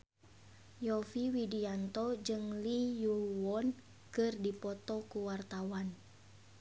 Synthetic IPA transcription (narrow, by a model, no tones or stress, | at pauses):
jɔfiwidiant̪ɔd͡ʒɨŋlijuwɔn | kɨrdipɔt̪ɔkuwart̪awan